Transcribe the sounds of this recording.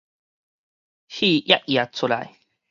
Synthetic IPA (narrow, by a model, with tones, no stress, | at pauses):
hi˦ʔja˦ʔja˨t͡sʰu˨la̰˨j